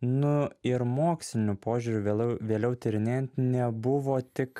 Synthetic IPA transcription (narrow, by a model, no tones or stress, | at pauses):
nʊɪɾmoːksʲlʲɪnʲʊpoːʒʲuːɾʲʊʋʲeːlʲɛʊt̪ʲɪɾʲɪnʲeːjɛnt̪nʲɛbʊʋoːt̪ʲɪk